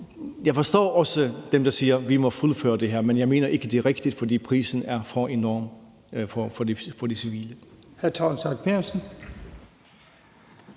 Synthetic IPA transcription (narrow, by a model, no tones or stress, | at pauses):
jɑ̈ɪfɒ̽sd̥ɔ̰ːɒ̽səd̥emd̥ɑ̈siːɐʋimɒ̽fulˠfø̰ːɐd̥e̝ɦæɐ̰menjɑ̈ɪme̝̰ːnɐʔe̝ɡ̥əd̥e̝ʁɛɡ̥d̥id̥fɒ̽d̥ḭːpʰʁḭːsn̩æɐfɒʔe̝nɒ̰ːm | fɒfɒd̥isiʋḭːləhæɐt͡sʰɒːnsɑ̈ɡ̥̚pʰeɐsn̩